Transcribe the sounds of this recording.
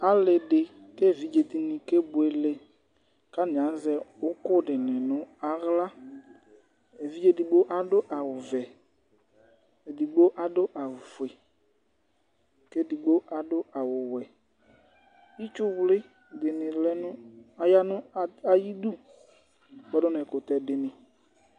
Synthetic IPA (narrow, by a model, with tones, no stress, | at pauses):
a˨lɪ˨dɪ˨ | ke˦˨vi˨˦d͡ʒe˨d̪i˨nɪ̃˨ke˦bʊ˨e˨lɪ˨ | ka˦nɪ̃˨a˨˦n˦zɛ˦ʊ˦kʊ˦˨dɪ˨nɪ̃˨nʊ̃˦a˦ɣla˦ | e˨vi˦d͡ʒe˦di˨ɡ͡bo˦ʔa˨dʊ˦ʔa˨wʊ˨vɛ˨ | e˨di˨ɡ͡bo˦ʔa˨dʊ˦ʔa˨ʊ˨fʊ˨e˨ | ke˦dɪ˨ɡ͡bo˦ʔa˨dʊ˦a˨wʊ˨wɛ˨ | i˦t͡ʃʊ˦wlɪ˦ | dɪ˨nɪ̃˨lɛ˦nʊ˦a˨ja˦nʊ̃˦a˨ji˦du˦˨ | ɡ͡bɛ˦dʊ˦n˨ɛ˨kʊ˨tɛ˨dɪ˨nɪ̃˨